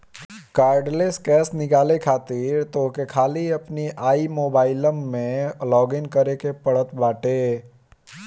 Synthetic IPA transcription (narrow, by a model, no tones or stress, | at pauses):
kaːɾɖleskɛːsnɪkaːlekʰaːt̪ɪɾt̪okekʰaːliɐpniʔaːimoːbaːɪləmːẽlɔːɡɪnkəɾekepəɽ̤ət̪baːʈe